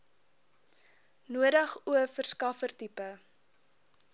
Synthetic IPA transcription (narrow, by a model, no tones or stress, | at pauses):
nuədɐχuəfərskɐfərtipə